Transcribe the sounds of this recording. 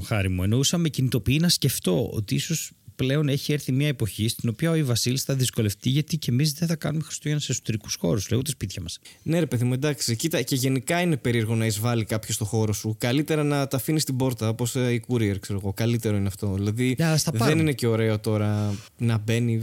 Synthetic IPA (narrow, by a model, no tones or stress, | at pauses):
xɐɾimue̞no̞usɐmecinit̪o̞piinɐsce̞ft̪o̞̰o̰t̪iiso̞sple̞o̞ne̞çieɾθimɲɐepo̞çist̪ino̞piɐoivɐsilisθɐðisko̞le̞ft̪iʝɐt̪ice̞mizðenθɐkɐ̰numexɾi̥st̪oʝɐnuse̞so̥t̪eɾiku̥sxo̞̰ɾusleot̪ispit̪çɐmɐsne̞ɾe̞peðimued̪ɐksicit̪ɐceʝe̞nikɐine̞pe̞ɾieɾɣo̞nɐizvɐlikɐpçost̪o̞xo̞ɾo̞sukɐlit̪e̞ɾɐnɐt̪ɐfinist̪ibo̞ɾt̪ɐposeikuɾieɾkse̞ɾo̞ɣo̞kɐlit̪e̞ɾo̞ineɐft̪o̞ðilɐðiɐst̪ɐðpɐenineceo̞ɾe̞ot̪o̞ɾɐ | nɐbe̞ni